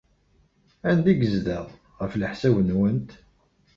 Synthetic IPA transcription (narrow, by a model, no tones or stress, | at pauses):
ænd̪iɡəzðəðˤ | ʁəfləħsæwənwənt̪